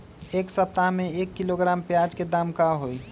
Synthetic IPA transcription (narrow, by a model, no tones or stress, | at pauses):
eːksəp̚t̪aɦmẽeːkːiloɡɾaːmpjad͡ʒked̪aːmkaɦoi